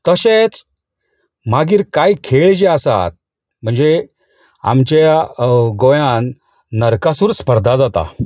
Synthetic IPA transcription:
t̪əɕet͡s | m̤aɡiːɾkajkʰeɭd͡ʑeəsa̰t̪̚ | m̤əɳd͡ze | a̰mt͡ɕaɡojãnː | əɾkasuːɾspəɾd̪ʱad͡zat̪a̰

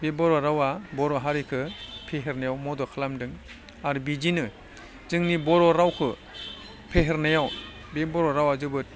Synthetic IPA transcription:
bebɔɾɔɾawabɔɾɔɦaɾikʰɯpʰeɦeɾnajawmɔdɔkʰɯlamdɯŋ | aɾibid͡ʒinɯ | zɯŋnibɔɾɔɾawkʰɯ | pʰeɦeɾnajaw | bebɔɾɔɾawazɯbɯt̚

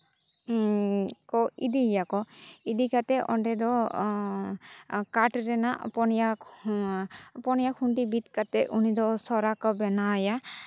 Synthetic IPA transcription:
kɔid̪ijakɔid̪ikat̪ɛʔɔ̰ɳɖɛd̪ɔ | kaʈɾɛnaʔpɔnjak | pɔnjakʰuɳʈibit̪kat̪ɛʔunid̪ɔsɔɾakɔbɛnaja

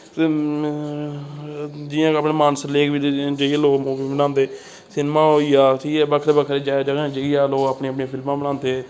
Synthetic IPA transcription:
t̪e | d͡ʒɪãːkəːpɳeːmaːnsleːkbid͡ʒəialoːmoːbiːbɪnaːnd̪eː | sɪnmaːɦoːiːaːʈʰiːkɛːbəkʰɾeːbəkʰɾeːd͡ʒaːd͡ʒəɡ̃d͡ʒəiːaːloːaːpɳeːəpɳeːpʰɪlmãːbəɽãːnd̪eː

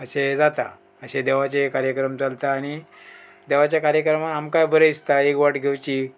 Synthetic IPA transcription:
əɕed͡zat̪a̰ | əɕed̪eʋat͡ɕekaɾjəkɾəmt͡salt̪aːɽ̃i | d̪eʋat͡ɕjakaɾjəkɾəmaamkajbəɾeist̪aekʋaʈɡʱewt͡ɕiː

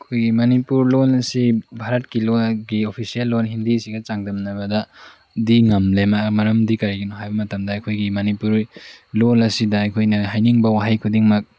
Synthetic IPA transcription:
ɐkʰojɡimɐnipuɾlolɐsibʱaɾɐt̚kiloɡiopʰisijɐlːonɦindisiɡɐt͡ʃaŋdɐmnɐβɐdɐ | diŋɐmlemamɐɾɐmdikɐɾiɡinɔɦajbɐmɐtɐmdɐɐkʰojɡimɐnipuɾlolɐsidɐːkʰojnɐɦajniŋbɐwaɦajkʰudiŋmɐk̚

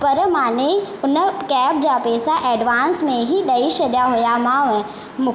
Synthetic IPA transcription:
pəɾmaːneʊnəkɛːp̚d͡ʒaːpeːsaʔɛːɖʋaːnsmẽɦid̪ɐiʃəd̪jaɦojamaːʋɛ̃ | mʊ

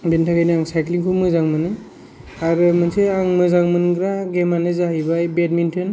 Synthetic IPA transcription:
bentʰakajniaŋsajkliŋkʰumɯzaŋmɯnɯ | aɾɯmɯnseaŋmɯzaŋmɯnɡɾaɡemanɯzaɦibajbed̚mintʰɯn

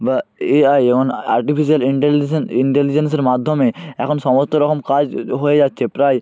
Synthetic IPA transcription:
baeajemona̰ɾʈifiʃ̬ialiɳʈeliniɳʈelid͡ʑens̬eɾmad̪ʱːomeɛkʰonʃɔmost̪oɾɔkomkad͡ʑɦoed͡ʑatːɕʰepɾaj

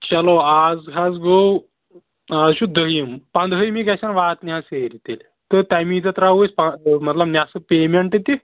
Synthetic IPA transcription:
t͡ɕɐloaːd͡zkʰazɡow | aːd͡zɕud̪əɦimpɐnd̪ɦəjmikɐsanʋaːt̪nʲiaseɾit̪el | t̪ət̪ajmiːd͡zɐt̪ɾauespamɐt̪lɐbnʲasɨpemeɳʈɐt̪i

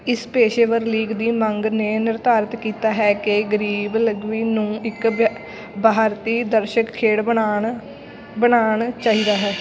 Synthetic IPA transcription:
ɪspeːʃeːʋəɾliːɡd̪iːməŋɡneːnɪɾt̪aːɾət̪kiːt̪aːɦɛːkeɡəɾiːbləɡʋiːnũːɪk | bʱaːɾt̪iːd̪əɾʃəkkʰːeːɽa | bəɽaːɳt͡ʃaːɦiːd̪aːɦɛː

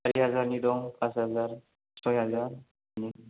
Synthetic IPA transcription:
aɾiɦazaɾnid̪ɔŋpʰashazaɾ | sɔjɦazaɾ | ni

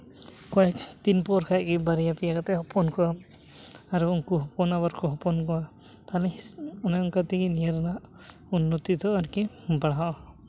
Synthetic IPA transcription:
kɔjɛkt̪inpɔɾkʰajkibaɾijapijakat̪ɛhɔpɔnkɔwam | aɾuːŋkuɦɔpɔnaβaɾkɔɦɔpɔnkɔwa | t̪alɛɔnaɔŋkat̪ikinijaɾɔnaʔ | unːɔt̪it̪ɔaɾki | baɽaʔ

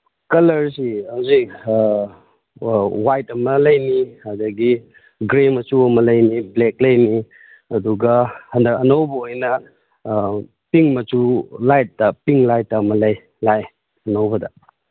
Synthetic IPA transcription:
kɐlɐɾsihawzik | wajtɐmɐlɐjnihadɐɡi | ɡɾemɐt͡ʃuɐmɐlɐjniblek̚lɐjni | ɐduɡɐhɐndɐkɐnɐwbɐojnɐ | piŋmɐt͡ʃulajt̚ːɐpiŋlajtːɐmɐlɐj | laj | ɐnɐwbɐdɐ

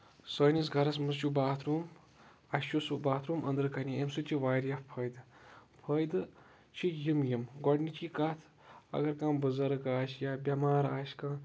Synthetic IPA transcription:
sɐːjnis̬ɡʱɐɾɐs̬mɐst͡ʃubaːt̪ʰɾuːm | ɐst͡ʃusubaːt̪ʰɾuːmʔɐ̰nd̪ɾɨkɐnʲiemsut͡ʃʰiʋaːɾjapʰɐjd̪ɨpʰɐjd̪ɨ | t͡ʃʰijimjimɡɔɽnit͡ʃʰikɐt̪ʰ | ɐ̰ɡɐɾkãːbəzɐɾɐkaːʃjabʲɐmaːɾaːʃkãː

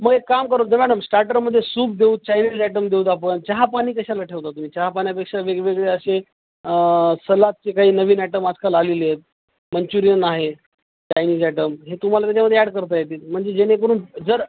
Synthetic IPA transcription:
məɡekːamkəɾot̪nəmæɽəmsʈaɾʈəɾməd̪ʱːjesuːb̚d̪euːd̪̚t͡ɕajniːd͡zɛʈəmd̪euːt̪apənt͡ɕaɦapaɽ̃iːkəɕalaʈʰeʋt̪at̪ːum̤iːt͡ɕaɦapañijapekʂaʋeɡʋeɡɭeəɕe | səlat̪̚t͡sekaɦiːnəʋiːnɛʈəmad͡zkalaleljet̪̚ | mənt͡ɕuɾijənaɦe | t͡ɕajniːd͡zɛʈəmɦet̪um̤alat̪jat͡ɕaməd̪ʱːjeæɽkəɾt̪əjet̪iːt̪m̤əɳd͡zed͡ʑenekəɾuːnd͡zəɾ

